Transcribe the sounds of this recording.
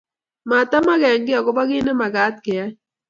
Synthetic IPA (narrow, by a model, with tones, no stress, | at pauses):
ma˨t̪a˦ma˦ɣɛ˨ŋɡɪ˦a˨kɔ˦ba˦ɣi˦nɛ˦ma˨ɡaː˨˦t̪̚ke˨a˦